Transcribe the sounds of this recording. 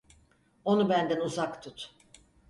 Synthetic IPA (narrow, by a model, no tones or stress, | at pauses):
o̞nubænd̪ænuzakt̪ʰut̪